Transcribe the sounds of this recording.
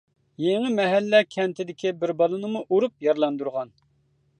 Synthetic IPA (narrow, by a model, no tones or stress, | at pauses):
jeŋɪmɛɦɛlːɛkʲʰɛnt̪ʰɪd̪ɪkʲibɪɾbɑlˠɨnɨmuʔuɾup̚jɑɾlˠɑnd̪uɾʁɑn